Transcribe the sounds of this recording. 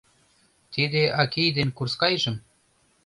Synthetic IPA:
t̪id̪eʔɑkijd̪enkurskɑjʒə̆m

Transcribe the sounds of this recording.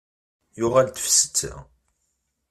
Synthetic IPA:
jʊʁælt̪ə̥fsə̥t͡sːa̰

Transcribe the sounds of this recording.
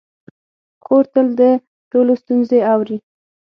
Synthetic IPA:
koɾt̪əld̪ə | ʈolost̪unzeawɾi

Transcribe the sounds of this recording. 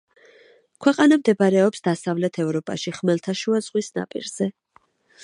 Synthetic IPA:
kʰwɛqʼanamd̪ɛbɾɛɔpsd̪asavlɛt̪ʰɛvɾɔpʼa̰ʃiχmɛlt̪ʰaʃuaz̥ʁwisna̰pʼḭɾz̥ɛ

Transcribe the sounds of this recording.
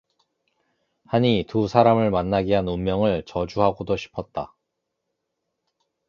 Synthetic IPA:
haɲitusʰaɾamɯɭmanːaɡiɦanummjʌŋɯɭt͡ɕʌd͡ʑuɦaɡodoɕʰi̥pʰʌt̚t͈a̰

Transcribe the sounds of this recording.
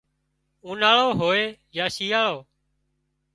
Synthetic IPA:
ũːnaːɭoːɦoːeːjaːʃiːaːɭoː

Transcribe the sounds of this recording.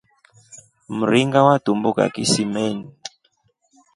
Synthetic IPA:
m̩ɾiŋɡawad̥umbuka̰kisimɛni

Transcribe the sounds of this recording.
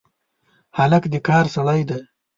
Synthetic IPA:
halakd̪ikɑːɾsaɽajd̪a

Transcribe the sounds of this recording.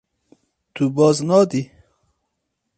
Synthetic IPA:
t̪ubɔːznɑd̪i

